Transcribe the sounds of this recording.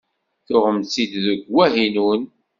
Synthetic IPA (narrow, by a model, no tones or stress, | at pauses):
θʊʁəmsid̪ðəɡwæɦinun